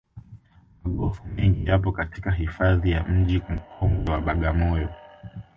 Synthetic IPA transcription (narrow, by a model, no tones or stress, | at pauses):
maɠɔfumɛŋɡijapɔkatikaɦifaðijam̩ʄim̩kʰɔŋɡɛwaɓaɠamɔjɔ